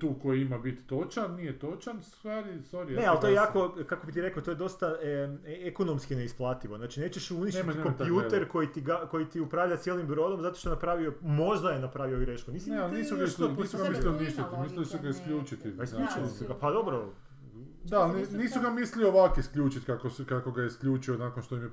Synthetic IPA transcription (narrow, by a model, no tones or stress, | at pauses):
t̪uːkojiimabit̪ːot͡ʃannijet̪ot͡ʃanst̪ʋaːɾist̪oɾineallt̪ojejaːko̞kakobit̪iɾe̞kat̪ojed̪o̞st̪a | ekonomskineisplˠaːt̪iʋoznaːt͡ʃine̞ːt͡ʃeʃuniʃtit̪komp̪juːt̪eɾko̞jit̪iɡako̞jit̪iupɾaːʋʎat̪jelimbɾo̞d̪o̞mzat̪o̞ʃt̪onapɾaːʋiomo̞ʒd̪ajenapɾaːʋioɡɾeʃkuniːsiniːsuɡaisuɡ̪mislioniʃt̪at̪mislilisuɡaiskʎʲuːt͡ʃit̪iaisʎuːt͡ʃilisuɡapad̪o̞bɾo | d̪anniːsuɡamislioʋakiskʎʲuːt͡ʃit̪kakoskakoɡajeiskʎʲuːt͡ʃionaːkonʃt̪oimje